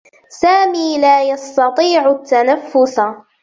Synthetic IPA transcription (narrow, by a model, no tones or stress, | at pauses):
saːmiːlaːjɑst̪ɑt̪ˤiːʕʊt̪ːanafːʊθa